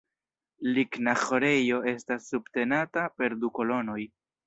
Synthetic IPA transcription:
liknaxo̞ɾe̞jo̞e̞stasːubte̞natape̞ɾduko̞lo̞no̞j

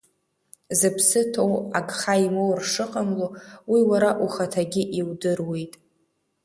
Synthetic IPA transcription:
zɨpʰsɨtʰowaɡχaimowrʂɨqʼamlowiwaɾaʔuχatʰaɡʲɪʔiwdɨrwe̞jtʼ

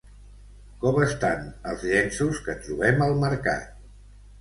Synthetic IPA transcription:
kɔməst̪anəlˠzʎɛnsuskət̪ɾuβɛməlˠməɾka̰t̪̚

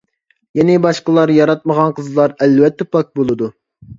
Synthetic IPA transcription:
jɛnɪbɑʃqəlˠɑɾjɑɾɑt̪̚məʁɑnqʰəzlˠɑɾɛlvɛt̪ʰːɛpʰɑk̚bolˠɨd̪u

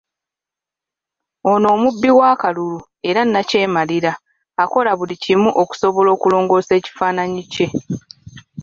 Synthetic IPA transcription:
o̞no̞ːmubːiwaːkalulu | e̞ɾanːace̞ːmaliɾaː | ko̞laβulicimuʔo̞ku̥so̞βo̞lo̞ːkulo̞ːŋɡo̞ːse̞ːci̥faːnaɲice̞

